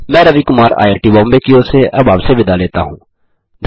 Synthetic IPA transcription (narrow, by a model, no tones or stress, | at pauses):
mɛ̃ːɾəʋikʊmaːɾa̰ːjeɾʈiːbɔ̃ːmbekioːseʔɐbaːbseʋɪd̪aleːt̪a̰ɦũː | d̪ʱ